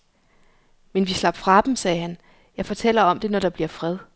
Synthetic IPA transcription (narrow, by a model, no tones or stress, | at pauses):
menʋislɑ̈b̥fʁɑ̈d̥em̩sɛːɦæn | jɑ̈ɪfɒ̽t͡sʰel̰ɐɒ̽md̥e̝nɒɾ̥ɑ̈b̥liɐ̰fʁɛð̞ˠ